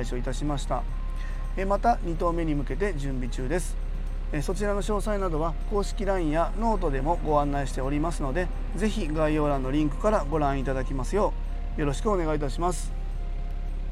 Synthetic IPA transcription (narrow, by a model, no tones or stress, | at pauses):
iɕo̞it̪aɕimaɕi̥t̪a̰ | emat̪aɲ̟it̪o̞ːme̞ɲ̟imɯ̟ke̞t̪e̞d͡ʑɨ̃mbʲit͡ɕɨːd̪e̞sɨ̥ | eso̞t͡ɕiɾano̞ɕo̞ːsainad̪o̞β̞ako̞ːɕi̥kʲiɾãĩjano̞ːt̪o̞d̪e̞mo̞ɡo̞ãnːaiɕi̥t̪e̞o̞ɾʲimasɨno̞d̪e̞ | ze̞çiɡaio̞ːɾãnːo̞ɾʲĩŋkɯ̟̥kaɾaɡo̞ɾãɰ̃it̪ad̪akʲimasɨjo̞ː | jo̞ɾo̞ɕi̥kɯ̟o̞ne̞ɡait̪aɕimasɨ̥